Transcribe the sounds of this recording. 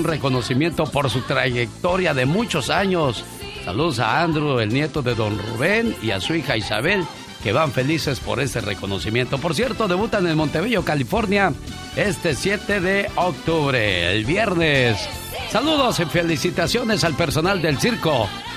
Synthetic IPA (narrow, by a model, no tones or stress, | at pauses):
nreko̞no̞simje̞nt̪o̞po̞ɾsut̪ɾaʝe̞k̚t̪o̞ɾjaðemut͡ʃo̞saɲosː | a̰luðos̬a̰and̪ɾue̞lnje̞t̪o̞ðe̞ðo̞nrṵβe̞nia̰suixaisa̰βe̞l | ke̞βaɱfe̞lise̞spo̞̰ɾe̞st̪e̞rḛko̞no̞simje̞nt̪opo̞ɾs̬je̞ɾt̪o̞ðe̞βut̪anelmo̞nt̪eβeʝo̞kalifo̞ɾnja | e̞st̪esje̞t̪eðe̞ok̚t̪uβɾḛḛlβje̞ɾnesː | aluðo̞sefelisit̪asjo̞ne̞salpe̞ɾso̞nald̪e̞lsiɾko